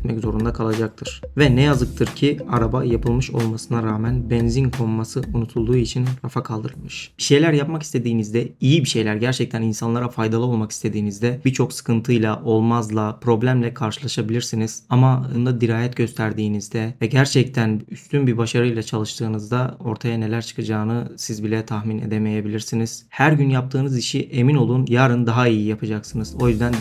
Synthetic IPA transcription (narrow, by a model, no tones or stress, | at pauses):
t̪mɛczo̞ɾund̪akʰalˠad͡ʒak̚t̪ʰɯɾ̥vɛnɛjazɯk̚t̪ʰɯɾcʰiaɾabajapʰɯlˠmɯʃo̞̰lˠmasɯnaɾaːmænbɛnzinkʰo̞mːasɯunut̪ʰulˠd̪uːit͡ʃʰinɾafakʰalˠd̪ɯɾɯlˠmɯʃiʃe̞jlʲæɾjapmakist̪ʰe̞d̪iːnizd̪ɛijibiʃe̞jlʲæɾɟæɾt͡ʃʰɛc̚t̪ʰæninsanlˠaɾafajd̪alˠɯo̞lˠmaki̥st̪ʰe̞d̪iːnizd̪ɛbit͡ʃʰo̞ksɯ̥kɯnt̪ʰɯjlˠaʔo̞lˠmazlˠapʰɾo̞blʲæmlʲɛkʰaɾʃɯlˠaʃabilʲiɾsiniz̥amand̪ad̪iɾaːjɛt̪ɟø̞st̪ʰæɾd̪iːnizd̪ɛvɛɟæɾt͡ʃʰɛc̚t̪ʰænyst̪ʰynbibaʃaɾɯjlˠat͡ʃʰalˠɯʃt̪ʰɯːnɯzd̪ao̞ɾt̪ʰajane̞lʲæɾt͡ʃʰɯ̥kʰɯd͡ʒaːnɯsizbilʲɛt̪ʰaxmine̞̰d̪e̞me̞je̞bilʲiɾsiniz̥hæɾɟynjap̚t̪ʰɯːnɯziʃiʔe̞mino̞lˠunjaɾɯnd̪aɦaijijapʰad͡ʒaksɯnɯz̥o̞jyzd̪æn